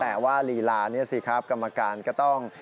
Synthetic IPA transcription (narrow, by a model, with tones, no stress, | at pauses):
t̪ɛː˨˩waː˥˩liː˨˩˦laː˧ni˥˩ɐsi˧˦kʰa˦˥˩p̚ka˧mːa˧kaː˧nkɔː˥˩t̪ɔ˥˩ŋ